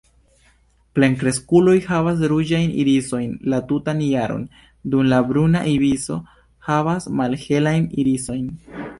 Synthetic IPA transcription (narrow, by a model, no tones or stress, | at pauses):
ple̞ŋkɾe̞skulo̞jhavas̬ɾud͡ʒajnḭɾiso̞jnlatutanjaɾo̰n | dumlabɾuna̰ʔiviso̞̰ | havasmalhe̞lajniɾiso̞jn